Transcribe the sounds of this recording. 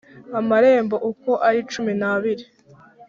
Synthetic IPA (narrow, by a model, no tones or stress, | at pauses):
amaɾe̞ːmboʔuko̞ʔaɾit͡ʃuminaβiɾi